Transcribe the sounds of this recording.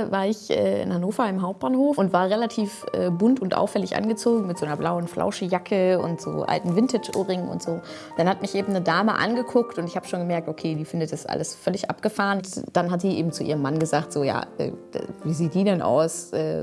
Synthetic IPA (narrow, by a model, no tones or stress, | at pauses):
vaːɐɪçʔɛ̰ːɪ̰nhanoːfɐɪmɦaʊp̚t̚b̥aːnhoːfʊntvaːɐʁɛlatʰiːfʔɛːbʊntʊntʔa̰ʊfːɛlɪçʔa̰nɡət͡soːɡŋ̩mɪtz̥oːnɐblaʊənflʔa̰ʊʃəjakʰəʊ̰ntz̥o̰ːʔa̰ltn̩vɪntɪt͡ʃʔo̰ːʁɪŋʊ̰ntz̥oː | d̥anhatmɪçʔeːbm̩nədaːməʔa̰nɡəkʰʊktʊntɪçhaːbə̥ʃoːnŋɡəmɛɐk̚tokʰeːdiːfɪndətd̥asʔa̰ləsfœlɪçʔa̰pɡ̥əfaːʁənd̥anɦatz̥iːʔeːbm̩t͡suʔiːʁəmːanɡəzaːktz̥oːja̰ːʔɛ̰̥ːviːziːt̚d̥iːdɛnʔa̰ʊsʔɛ̰ː